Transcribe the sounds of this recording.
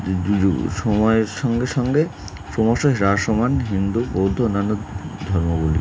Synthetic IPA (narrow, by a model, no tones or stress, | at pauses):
uuʃɔmɔeɾʃɔŋɡeʃɔŋɡe | ʃomɔʃeɦɾaʃomanɦind̪ubowd̪ʱːoonːanːod̪ʱɔɾmoɡulḭ